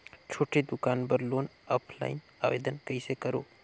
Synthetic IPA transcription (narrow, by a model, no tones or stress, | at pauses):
t͡ʃʰoːʈid̪ʊkaːnbəɾloːnɔːpʰla̰ːɪn | a̰ːʋḛːd̪ənkəisekəɾo̰ː